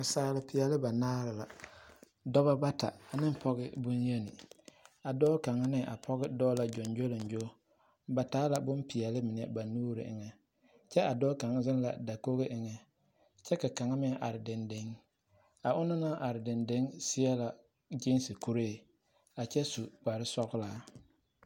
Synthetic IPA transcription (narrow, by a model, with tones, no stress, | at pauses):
a˨saː˦lɪ˦pɪ˨ɛ˨lɪ˦ba˨naː˦ɾɪ˨la˨ | dɔ˦βa˦ba˦tʰa̰˨a˨nɪ˦m˦pʰɔ˦ɣɪ˦bʊ˦nje˦nɪ˨a˨dɔː˦ka˨ŋa˦nɪ˦˨ʔa̰˨pʰɔ˦ɣɪ˦dɔː˦la˨d͡ʒɔ˨nd͡ʒo˦lɪ˨n˦d͡ʒo˦ | ba˨ta˨˦la˨bʊ˦mpi˨jɛ˨lɪ˦mɪ˨n˨ɛ˦ba˨nuː˦ɾɪ̰˨ʔɪ̰˨ŋɛ˦ | t͡ʃɛ˦a˨dɔː˦ka˨ŋa˦zɪ˦n˦la̰˨da˨ko˦ɣɪ˦ʔɪ˨ŋɛ˨ | t͡ʃɛ˦ka˨ka˨ŋa˦mɪ˦ʔa˨ɾɪ˨dɪ˨ndɪ˦ŋ | a˨ʔʊ˦nɪ˦na˦ʔa˨ɾɪ˨dɪ˨ndɪ˦ŋsɪ˦ɛ˦la˨ | d͡ʒɪ˦n˦sɪ˨ku˦ɾeː˦˨ | a˨t͡ʃɛ˦su˨ba˨ɾɪ˦sɔ˦ɣla˨